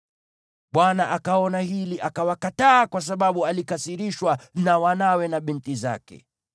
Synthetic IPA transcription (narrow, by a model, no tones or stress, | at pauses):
ɓwanaʔakaɔnaɦiliʔakawakataːkwas̬aɓaɓualikasiɾiʃwanawanawɛnaɓintiza̰kɛ̰